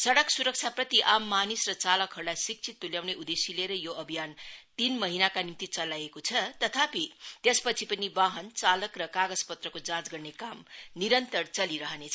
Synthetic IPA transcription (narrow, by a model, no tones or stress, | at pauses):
sʌɽʌksuɾʌk̚t͡sʰaprʌt̪iʔamːanisrʌt͡salʌkʰʌɾlajsik̚t͡sʰit̪ːuljawneʔud̪esileɾʌjoʌbʱijant̪inmʌɦinakanimt̪it͡sʌlajekot͡sʰʌt̪ʌt̪ʰapit̪espʌt͡sʰipʌnibaɦʌnt͡salʌkrʌkaɡʌd͡zpʌt̪rʌkod͡zãt͡sɡʌrnekamniɾʌnt̪ʌrt͡sʌliɾʌɦʌnet͡sʰʌ